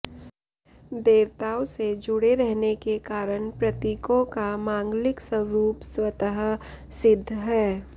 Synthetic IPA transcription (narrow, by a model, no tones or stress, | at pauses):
d̪eːwt̪aːɔsed͡ʒʊɽeɾɛɦnekekaːɾəñpɾət̪iːkõkamãːŋɡlɪksəwɾuːpswət̪əɦ | sɪd̪ʱːɦɛː